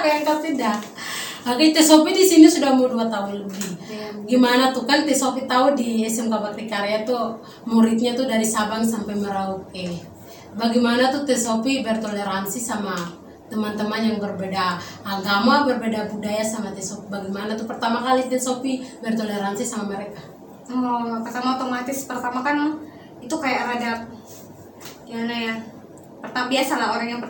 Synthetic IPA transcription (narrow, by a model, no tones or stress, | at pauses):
kajaŋkapida | akat̪ɛsopidisinisudahmauduat̪aʊnləbihɡimanat̪ukant̪ɛsopit̪audiɛsɛmkabakt̪ikaɾeat̪u | muɾit̪̚ɲat̪udaɾisabaŋsampajməɾaut̪̚kɛ | baɡimanat̪ut̪ɛsopibɛrt̪oleɾansisama | t̪əmant̪əmanjaŋbərbedaːɡamabərbedabudajasamat̪ɛsopibaɡimanat̪upərt̪amakalit̪ɛsopibɛrt̪oleɾansisamaməɾeka | ɔpərt̪amaot̪omat̪ɪspərt̪amakana | it̪ukajaʔɾad͡ʒat̚ | ianaja | pərt̪amabiasalaoɾaŋjaŋpə